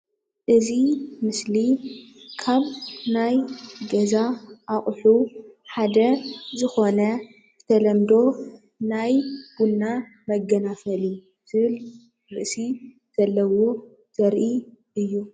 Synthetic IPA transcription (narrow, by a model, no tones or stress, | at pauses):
ʔɨzimɨslikʰaβnajɡɐzaʔaχʼħuħad̪ɐzɨxo̞nɐ | ɨt̪ʰɐlɐmd̪o̞ | najɡ̥unːa | mɐɡɐnafɐli | zʰɨβɨl | ɾɨʔsi | z̥ɐlːɐwo̞ | z̥ɐɾʔi | ɨjːu